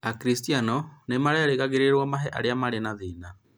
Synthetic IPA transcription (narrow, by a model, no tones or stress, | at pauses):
akɾistianɔnemaɾeaɾeɣaɣeɾeɾwɔmaɦɛʔa̰ɾeamaɾenaðina